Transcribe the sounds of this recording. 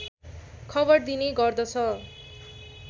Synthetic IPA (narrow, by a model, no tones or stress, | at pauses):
kʰʌbʌrd̪ineɡʌrd̪ʌt͡sʰʌ